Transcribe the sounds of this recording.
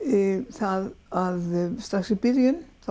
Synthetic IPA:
θaðaðst̪ɾaxksipɪɾjʏnθa

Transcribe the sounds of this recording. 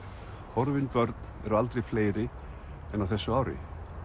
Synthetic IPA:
hɔɾvɪnpœɾt̪nɛ̰ɾalt̪ɾejfleːjɾɪ | ɛnːawθɛsːʏaːwɾɪ̰

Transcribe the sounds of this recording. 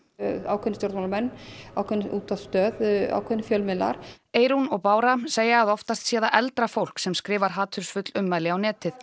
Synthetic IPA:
awkʰœnɪst̪jowɾt̪malmɛnːawkʰœnʔuːt̪aðst̪œːða̰ːwkʰœnɪfjœlmɪlːa̰ɾ | eːjɾunɔɣpaːwɾaseːjaaðɔft̪ast̪sjɛːðaʔɛlt̪ɾafowl̥ksɛmskɾɪːvaɾ̥ɦaːt̪ʰʏɾ̥sfʏt̪lʏmːajlɪawnɛːt̪ɪθ

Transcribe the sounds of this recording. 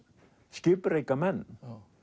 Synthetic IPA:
ʃkɪpɾajkaman

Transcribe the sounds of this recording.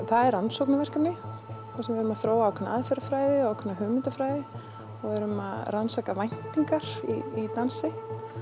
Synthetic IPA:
θaðɛɾansowknavɛr̥kanɪθasɛmvɛɾʏmaθɾoːwaawkʰɛnaa̰ðfɛɾafɾaːjðɪɔaːwkʰʏnːaɦʏːɣmɪnt̪afɾaːjðɪ | ɔɣɛɾʏmaðransaːkavajn̥t̪iŋkaɾ̥ḭit̪ansɪ

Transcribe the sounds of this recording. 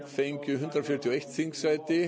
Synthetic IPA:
θejɲcʏɦʏnt̪ɾafjɪɾ̥t̪ʰiwejht̪θiŋksajt̪ɪ

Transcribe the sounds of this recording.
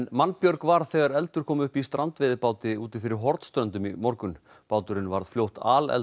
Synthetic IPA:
nmanːpjœɾkvaɾθɛːɣaɾɛlt̪ʏɾ̥kʰɔːmʏhpist̪ɾʔant̪vɪðɪpaːwt̪ɪuːt̪ɪnfɪɾɪɾɦɔɾt̪st̪ɾœnt̪ʏmimɔɾkʏn | paːwt̪ʏɾɪnvaɾð̥fljowht̪aːlɛ̰l

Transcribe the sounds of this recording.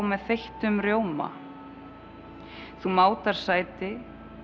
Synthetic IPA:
wmɛðθejht̪ʏmɾjoːwma̰ | θumaːwt̪aɾ̥saːjt̪ɪ

